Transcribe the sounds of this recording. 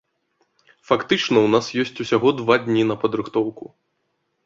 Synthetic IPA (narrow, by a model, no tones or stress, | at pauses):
fakt̪ɨt͡ʂnɐwnasjɔsʲt͡sʲusʲaɣɔd̪vad̪ʲnʲinɐpɐd̪ɾɨxt̪ɔwku